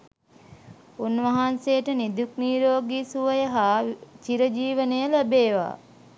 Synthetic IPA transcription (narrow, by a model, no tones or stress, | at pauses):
unʋɐɦansejəʈənid̪ukniːɾoːɡiːsuʋəjəɦaːt͡ʃiɾəd͡ʒiːʋənəjələbeːʋa̰ː